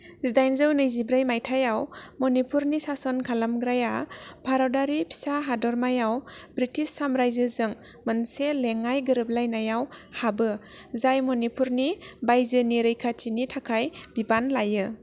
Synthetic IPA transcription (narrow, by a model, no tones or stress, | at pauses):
zidajnzɯwnɯjzibɾajmajtʰajawmɔnipuɾnisasɔnkʰalamɡɾajabʰʱaɾɔdaɾipʰi̥saɦadɔɾmajawbɾitisːamɾajzɯzɯŋ | mɯnseleŋajɡɯɾɯp̚lajnajaw | habɯ | zajmɔnipuɾni | bajzɯniɾɯjkʰat͡ʃinitʰakʰaj | b̥ibanlajɯ